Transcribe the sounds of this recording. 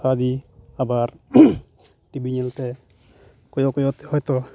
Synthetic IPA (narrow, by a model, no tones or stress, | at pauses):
ad̪iabaɾ | ʈibʱiɲɛlt̪ɛ | kɔjɔkɔjɔt̪ɛhɔjt̪ɔ